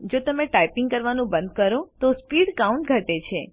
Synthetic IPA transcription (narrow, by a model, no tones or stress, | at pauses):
d͡ʒot̪əmeʈajpiŋɡkəɾʋanũbənd̪̚kəɾot̪ospiɽkaũɳʈ̚ɡʱəʈet͡ʃʰe